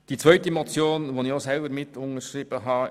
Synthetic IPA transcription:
d̥it͡sʋvœʏtəmɔt͡sjoːnʋonɪosɛlbəmɪt̪ʊnəʃriːb̥əɦɑː

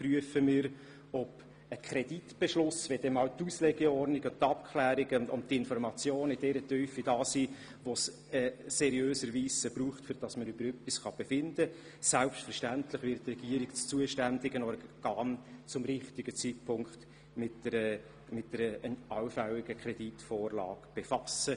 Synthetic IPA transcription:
pryəfəmɪːɾ | ɔb̥ | əkʰɾɛd̥itb̥ɛʃlʊsʋɛd̥ɛmɑːwt̪uslɛɡeɔɾnɪɡɔnt̪ːɑp̚kʰχlæːɾɪɡəndɔmtɪnfɔɾmɑt͡sjoːnɪd̥ɛɾətœːfid̥ɑːsiː | ʋos | ɛːɛɾiøːsəɾʋiːsəbruːχtfʏɾd̥ɑsmənʏbəɾœpːisχɑb̥efɪndə | sælpʃtfəɾʃtænt̪lɪχʋɪɾttːrɛɡ̥iəɾikt͡st͡suəʃtændɪɡənɔɾɡ̥ɑːnt͡sʊmɾɪχtɪɡət͡sit̚pʰʊŋkχt | mɪtəɾə | mɪtdəɾəənɑwfæwɪɡ̥əkʰɾɛd̥itfɔːrlɑ̰ːɡ̥b̥efɑsə

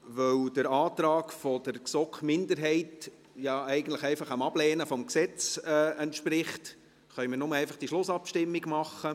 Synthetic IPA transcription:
ʋœwd̥əɾɑːt̪ɾɑːkfɔd̥əɾksɔkχmɪndəɾɦɛɪt | jɑɛɪɡən̩tˡləχɛɪfɑχamɑblɛːnəfɔmksɛt͡sɛɛntʃpɾɪχt | χœʏmɪːɾnʊməɛɪfɑχd̥iʃlʊsɑpʃtɪmːiɡmɑχə

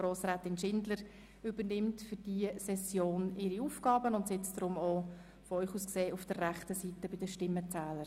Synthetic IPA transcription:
ɾoːsɾaːtɪnʃɪndləɾ | ʏbəɾnɪmtfʏɾd̥iəsɛsjoːnɪɾiuːfɡ̥ɑːbənʊntsɛt͡sdɾʊmoː | fɔœʏχuːskseːʔʊfd̥ərræχtəsitəbɪdəʃtɪmːət͡sæːləɾ

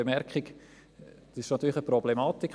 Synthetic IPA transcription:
əmɛɾkχik | d̥̪sɪʃnɑt̪ːyːləəprɔblemaːt̪ik

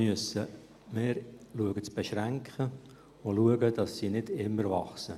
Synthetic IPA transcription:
yəsə | mɪːɾluəɡət͡sb̥ɛʃɾæŋkχə | ʊluəɡəd̥ɑsːinɪdɪmːəɾvɑχsə

